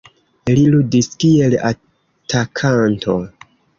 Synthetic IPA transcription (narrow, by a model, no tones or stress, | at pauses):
liludiskiela̰ | tʰakʰantʰo̰